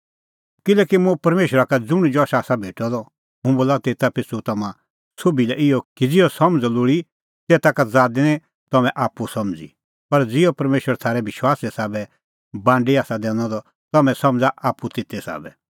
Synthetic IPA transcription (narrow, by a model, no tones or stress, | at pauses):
kɪlɛːkimũpɐɾmeːʃəɾakad͡zʊɽ̃d͡ʒɔːʃaːsabʱeːʈɔd̪ɔ | ɦũboːlat̪eːt̪apɪsut̪ɐmã | sobilɛɪɔkid͡zɪɔsɐmd͡zloɽi | t̪ɛːt̪akad͡zaːd̪inɛ̃ | t̪ɐmɛ̃ʔaːpːusɐmd͡zḭ | pɐɾd͡zɪɔpɐɾmeːʃwəɾat̪ʰaːɾɛbɪʃwaːsɛsaːbɛ | bãːɳɖiaːsad̪ɛ̃ːñɔd̪ɔ | t̪ɐmɛ̃sɐ̃md͡zaʔaːpːut̪ɪt̪ːɛsa̰ːbɛ